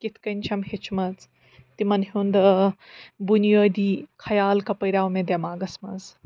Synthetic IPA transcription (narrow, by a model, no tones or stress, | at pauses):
kit̪ʰkɐnʲt͡ʃʰɐmhet͡ʃʰmɐt͡s | t̪imɐnɦund̪ɐ | bunjəːd̪iːkʰɐjaːlkɐpɐjɾaːwmed̪jamaːɡɐsmɐ̰d͡z